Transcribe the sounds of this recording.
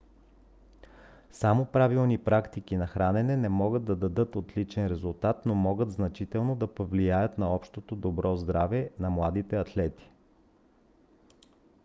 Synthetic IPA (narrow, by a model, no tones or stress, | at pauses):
samopɾavilˠnipɾakt̪ik̟inɐxɾanɛnɛnɛmɔɡəd̪ːɐd̪ɐd̪ɤt̪ot̪lit͡ʃɛnɾɛzulˠt̪at̪nomɔɡət̪znɐt͡ʃit̪ɛlˠnod̪ɐpovlijajət̪nɐɔpʃt̪ot̪od̪obɾɔzd̪ɾavɛnɐmlˠad̪it̪ɛɐt̪lɛt̪i̥